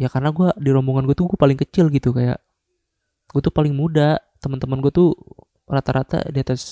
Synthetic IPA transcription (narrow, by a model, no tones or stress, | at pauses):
jakarnaɡuadiɾɔmboŋanɡuat̪uɡuapalɪŋkət͡ʃɪlɡit̪ukaja̰ʔ | ɡ̥uat̪upalɪŋmudat̪əmant̪əmanɡuat̪u | rat̪aɾat̪a̰diat̪as